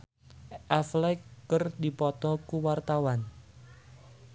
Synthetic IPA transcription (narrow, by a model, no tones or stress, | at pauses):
ʔaflɛkːərdipɔt̪ɔkuwart̪awan